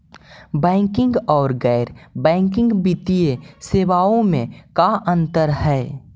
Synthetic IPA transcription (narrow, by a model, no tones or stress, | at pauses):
bɛ̃ːŋkɪ̃ŋɡɔːɾɡɛːɾbɛ̃ːŋkɪ̃ŋɡbɪt̪ieseːʋaõmẽkaʔə̃nt̪əɾɦɛː